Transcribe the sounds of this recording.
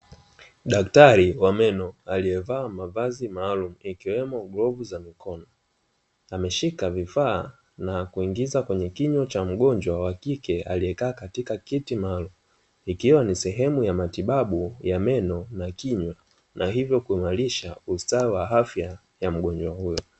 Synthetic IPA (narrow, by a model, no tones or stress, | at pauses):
ɗaktaɾiwamɛnɔaliɛvaːmavazimaːlumuikiwɛmɔɠɾɔvuzamikɔnɔ | amɛʃikavifaː | nakuiŋɡizakwɛɲɛkiɲwat͡ʃam̩ɠɔnd͡ʒwawakikɛalijɛkaːkatikakitimaːlumu | ikiwanisɛɦɛmujamatiɓaɓujamɛnɔnakiɲwa | nʔaɦivjɔkuimaɾiʃaustaiwaɦafja | jam̩ɠɔnd͡ʒwahujɔ